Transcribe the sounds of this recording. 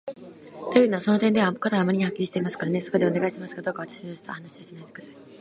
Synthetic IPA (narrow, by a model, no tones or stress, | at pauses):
t̪o̞jɯ̟ːno̞aso̞no̞t̪ẽ̞nd̪e̞βakat̪aɡaːmaɾʲiɲ̟ihakʲːiɾʲiɕi̥t̪eimasɨ̥kaɾane̞so̞ko̞d̪e̞one̞ɡaiɕimasɨ̥kad̪o̞ːkaβat̪ḁɕiɲost̪o̰hanaɕioɕenait̪ekɯd̪asai